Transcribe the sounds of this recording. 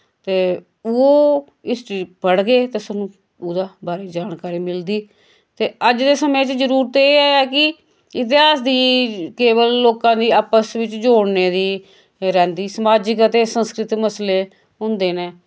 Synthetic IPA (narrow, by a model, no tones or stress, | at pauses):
t̪eː | oː | ɪsʈiːpəɽɡeːt̪eːsənũː | oːd̪aːbaːɾeːd͡ʒaːnkaːɾiːmɪld̪iː | t̪eːəd͡ʒd̪eːsəmẽːt͡ʃd͡ʒəɾuːɾt̪eeːɛːɛːkɪ | ɪt̪̬ɪaːsd̪iːkeːʋəlːoːkãːd̪iːaːpəsʋɪt͡ʃd͡ʒoːɽneːd̪iː | ɾɛ̃ːnd̪iːsəmaːd͡ʒɪkət̪eːsənskɾɪt̪məsleː | ɦʊnd̪eːnẽː